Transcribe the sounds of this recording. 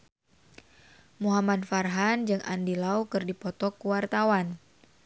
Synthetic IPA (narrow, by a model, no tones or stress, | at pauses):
muɦamadfarɦand͡ʒɨŋa̰ndilaukɨrdipɔt̪ɔkːuwart̪awan